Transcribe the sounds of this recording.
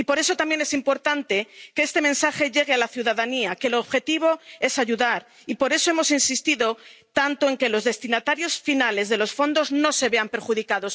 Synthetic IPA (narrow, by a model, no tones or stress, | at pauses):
ipo̞ɾe̞so̞t̪ambje̞ne̞simpo̞ɾt̪ant̪e̞keest̪e̞mẽ̞nsaxe̞ʝe̞ɣ̞ealaθjuðaðaniake̞loːβxe̞t̪iβ̞o̞e̞saʝuðaɾ | ipo̞ɾe̞soe̞mo̞sinsist̪iðo̞t̪ant̪oe̞ŋke̞lo̞zðe̞st̪inat̪aɾjo̞sfinale̞zðe̞lo̞sfo̞nd̪o̞zno̞se̞βe̞ampe̞ɾxuðikaðo̞s